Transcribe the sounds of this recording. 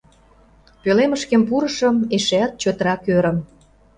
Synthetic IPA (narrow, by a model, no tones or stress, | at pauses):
pøleməʃkempuɾəʃə̆meʃeɑt̪̚t͡ɕøt̪ɾɑkøɾə̆m